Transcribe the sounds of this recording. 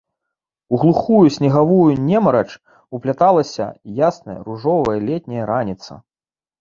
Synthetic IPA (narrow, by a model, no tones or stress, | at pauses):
uɣlˠuxujusʲnʲiɣavujunʲɛmɐɾɐt͡ʂ | uplʲat̪alˠɐsʲɐ̰jasnɐjɐ̰ɾuʐɔvɐjɐlʲɛt̪̚ʲnʲɐjɐɾanʲit̪sɐ̰